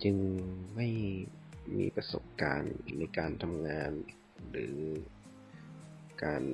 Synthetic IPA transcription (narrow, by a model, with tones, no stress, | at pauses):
t͡ɕɯ˧ŋma˥˩j | mḭː˧pɾa˧so̰˨˩p̚ka̰ː˧nːa˧jkaː˧nt̪ʰa˧mŋaː˧n | ɾɯː˩˦ | kaː˧n